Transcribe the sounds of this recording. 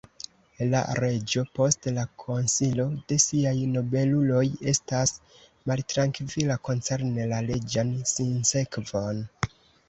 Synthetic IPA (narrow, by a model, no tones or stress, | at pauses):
la̰ɾe̞d͡ʒo̞po̞stlakʰo̞nsilo̞d̥e̞siajno̞be̞lulo̞je̞stas | maltɾaŋkvilako̞nt͡se̞ɾnelale̞d͡ʒansinse̞kvo̞n